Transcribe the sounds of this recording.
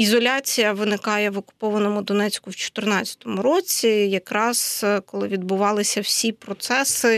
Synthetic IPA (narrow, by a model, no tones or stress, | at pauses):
izɔlʲat͡sʲijɐʋɪnɪkɑjɛʋɔkʊ̥pɔʋɐnɔmʊd̪ɔnɛt͡sʲkʊwt͡ʃɔ̥t̪ɪrnɑt͡sʲɐ̥t̪ɔmʊɾɔt͡sʲijɐkɾɑz̥kɔlˠɪʋʲid̪bʊʋɑlˠɪsʲɐwsʲipɾɔt̪sɛsɪ